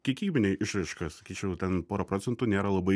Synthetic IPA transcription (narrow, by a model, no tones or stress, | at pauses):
kʲiɛkʲiːbʲɪnʲɛɪʔɪʃɾɐɪʃkɐsɐ̥kʲiːt͡ʃʲɛʊt̪ʲɛnpoːɾɐpɾʔoːt͡s̪ʲɛnt̪uːnʲeːɾɐlˠɐbɐɪ